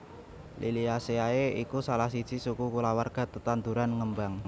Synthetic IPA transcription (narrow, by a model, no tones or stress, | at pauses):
lʔiliaseaeikusalahsid̥t͡ʃisukukulawarɡ̥a̤t̪ət̪and̪uɾanŋəmbaŋ